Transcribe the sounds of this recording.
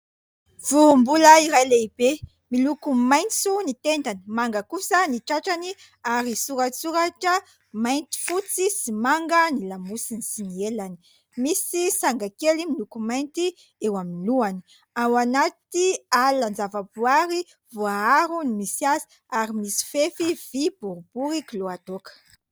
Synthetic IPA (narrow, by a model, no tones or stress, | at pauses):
vumbuləiɾajleib̥e | milukumajnt͡sunit̪end̪animaŋɡəkusəniʈ͡ʂaʈ͡ʂani | aɾisuɾat͡suɾaʈ͡ʂə | majnt̪i̥fut͡sisimaŋɡənilamusinisinielani̥ | misisaŋɡakelimilukumajnt̪i | ewaminluani̥ | awanat̪ialand͡zavabuaɾi | voaaɾunimisiazi̥ | aɾimisi̥fefiv̥ib̥uɾub̥uɾikiloat̪okə̥